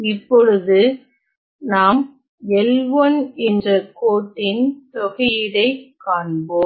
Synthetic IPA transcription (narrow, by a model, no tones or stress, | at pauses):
ɪpːɔɻɯðɯ | naːm | ɛlʋɐnɛndrɐkoːʈːɪnt̪ɔɣɐjɪɽɐɪkːaːɳboːm